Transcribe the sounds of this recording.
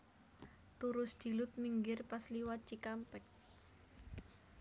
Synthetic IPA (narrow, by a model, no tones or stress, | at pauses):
t̪uɾʊsd̪̥i̤lʊt̪̚miŋɡɪrpasliwat͡ʃikampɛk̚